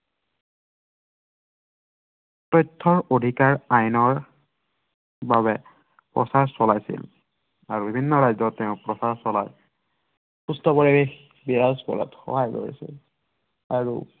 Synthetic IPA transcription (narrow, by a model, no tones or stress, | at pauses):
tɔjtʰːɔɹodʱikaɹajnɔɹ | baβɛ | pɹɔ̰saɹsɔlajsḭl | aɹubibʱinːɔɹajzɔtːɛʊ̃pɹɔsaɹsɔla̰ɹ | xustɔpɔɹibex | biɹazkɔ̰lɔ̰txɔ̰ɦajko̰ɹḭsḭl | aɹṵ